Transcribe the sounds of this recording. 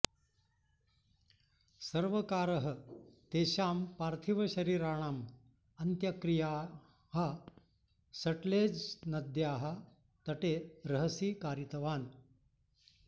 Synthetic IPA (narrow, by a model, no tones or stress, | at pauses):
sɐɾʋəkaːɾəɦɐt̪eːɕaːmpaːɾt̪ʰiʋɐɕɐɾiːɾaːɳ̃aːm | ɐnt̪jɐkɾijaː | ɦɐ | sɐʈleːd͡znɐd̪jaːɦɐ | t̪ɐʈeɾɐɦəsiːkaːɾit̪ɐʋaːn